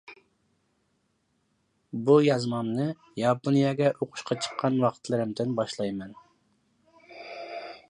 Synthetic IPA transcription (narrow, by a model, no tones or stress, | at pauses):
bujɑzmɑmnɨ | jɑponijɑɡʲɛʔoqʰʊ̥ʃqʰɑt͡ʃʰə̥qʰːɑnwɑqʰt̪ʰlˠɨɾɪmd̪ɪnbɑʃlˠɑjmɛn